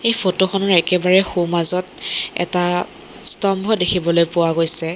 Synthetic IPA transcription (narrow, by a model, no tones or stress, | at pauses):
ejpʰotoxʰɔnɔɹɛkɛbaɹɛxumazɔtɛ̰ta | stɔmbʱɔdekʰibɔlojpʊwaɡojsɛ